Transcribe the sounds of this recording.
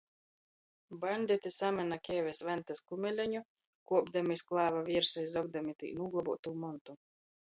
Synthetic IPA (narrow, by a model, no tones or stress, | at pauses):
banʲd̪ʲit̪isamʲɛnakʲɛːvʲɛsvant̪askumʲɛlʲɛɲu | kuɔbd̪amisklˠaːvavʲiɛɾsajzɔɡ̚d̪amʲit̪ḭːnuɡˠɔbuɔt̪uːmɔnt̪u